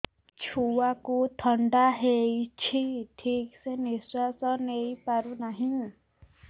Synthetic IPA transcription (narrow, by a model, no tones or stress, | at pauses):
t͡ʃʰuwakut̪ʰɔɳɖaɦejt͡ʃʰiʈʰikseniswasɔnejpaɾunaɦĩ